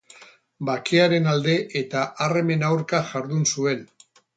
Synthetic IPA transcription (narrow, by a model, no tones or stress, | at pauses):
bakeaɾe̞nald̪e̞ʔet̪aʔare̞me̞nawɾkaʝaɾðunsue̞n